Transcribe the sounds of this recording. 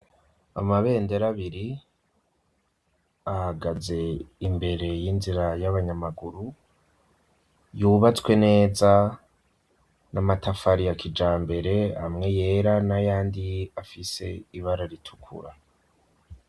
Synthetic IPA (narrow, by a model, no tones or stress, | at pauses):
amaβe̞ːnde̞ɾaβiɾi | ahaɡaze̞imbe̞ɾe̞jinziɾajaβaɲamaɡuɾu | juːβat͡swe̞ne̞ːza | namatʰafaɾijakʰid͡ʒaːmbe̞ɾe̞hamŋe̞je̞ɾanajaːndiafise̞iβaɾaɾitʰu̥kʰṵɾa